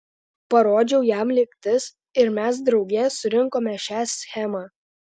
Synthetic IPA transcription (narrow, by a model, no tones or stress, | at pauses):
pɐɾoːd͡ʒʲɛʊjæmlʲɪkʲt̪ʲɪs | ɪɾmʲæs̬d̪ɾɒʊɡʲeːsʊɾʲɪŋˑkoːmʲɛʃʲæːsʲxʲɛmɑː